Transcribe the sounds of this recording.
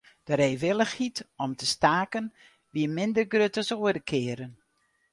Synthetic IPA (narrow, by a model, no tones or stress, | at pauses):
d̥əɾeːʋɪlˠəxhitɔmtəstaːkən | ʋiəmɪndərɡrøtəsoədəkʰɪəɾən